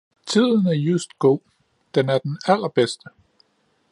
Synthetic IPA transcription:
t͡sʰið̞̰ˠn̩æɐjusd̥̚ɡ̥o̝̰ː | d̥enæɐd̥enælɐb̥esd̥ə

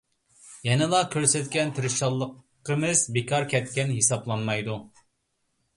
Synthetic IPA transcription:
jɛnɪlˠɑkʲʰøɾsɛt̪̚kʲɛnt̪ʰɪɾɪʃɑlˠːəqː | əmɨzbekʰɑɾkʲʰɛt̪̚kʲɛnɦesɑblˠɑnmɑjd̪u

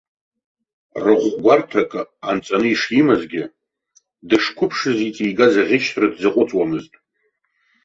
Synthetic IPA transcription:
rɨʁʷɡʷartʰakʼant͡sʼanɨiʂimazɡʲɪ | dɨʂkʷʰʊpʰʂɨzit͡sʼijɡazaʁʲɪʃʰrɨdzɨqʷʼʊt͡sʼwamɨztʼ

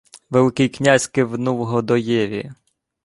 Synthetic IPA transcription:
ʋelˠɪkɪjknʲazʲkɪʋnuwɦɔd̪ɔjɛʋʲḭ

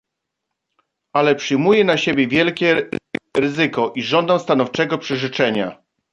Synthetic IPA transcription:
ʔalɛpʂɘjmujɛnaɕebʲjɛvʲjɛlkʲɛɾɘzɘkɔʔiʐɔnd̪aw̃st̪anɔft͡ʂɛɡɔpʂɛʐɘt͡ʂɛɲa

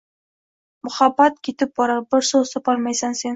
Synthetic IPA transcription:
mʊχɑbɑt̪̚kʲʰit̪ɪp̚bɑɾɑbɪɾsosɑpɑɾmɑjsɑŋse̞n

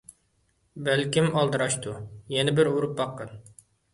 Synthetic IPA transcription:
bælkʲimɑlˠd̪ɨɾɑʃt̪ʰujɛnɪbɪɾuɾup̚bɑqːən

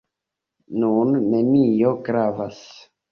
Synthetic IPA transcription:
nunːe̞nijo̞ɡɾavas

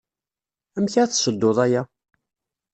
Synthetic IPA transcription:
əmçaθʃəd̪ːoðˤæjæ

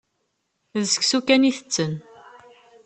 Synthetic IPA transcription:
ðsə̥ksukæniθət͡sːən

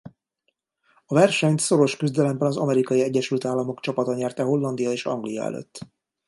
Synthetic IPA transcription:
ɒvɛrʃɛɲt̪so̞ɾo̞ʃkyzd̪ɛlɛmbɛnɒzɒmɛɾikɒiɛɟːɛʃylt̪aːlːɒmo̞kt͡ʃɒpɒt̪ɒɲɛrt̪ɛɦo̞lːɒnd̪ijɒeːʃɒ̰ŋɡlijɒ̰ɛ̰lø̰t̪ː

